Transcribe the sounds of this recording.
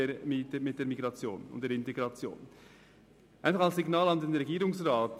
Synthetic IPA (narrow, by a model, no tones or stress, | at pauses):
emimɪt̚d̥eːɾmiɡɾɑt͡sjo̰ːnʊ̰ntd̥eːɾɪnteɡɾɑt͡sjo̰ːn | ʔaɪnfɑχɑlsːiɡnaːlɑndenɾɛɡiːɾʊŋsraːt